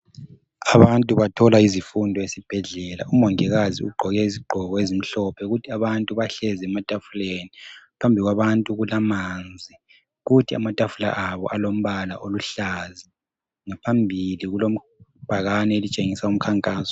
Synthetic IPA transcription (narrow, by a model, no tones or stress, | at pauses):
aβantʼuβatʰɔlaizifundʱɔesib̥ʱɛɮɛla̰umɔŋɛɣaziuɡ͡ǃʱɔɣɛiziɡ͡ǃʱɔɣɔezim̩ɬɔpʰɛɣutʰiaβantʼuβaɬɛzɛmatʼafulenipʰambʱiiɣwaβantʼuɣulamand͡zʱi | ɣutʰia̰matʼafula̰ʔaβɔ̰ʔalom̩βala̰ʔoluɬazi | ŋapʰambʱiliɣulom̩ | b̥ʱaɣanɛelit͡ʃʼeŋisaum̩kʰaŋkʼaːsɔ̥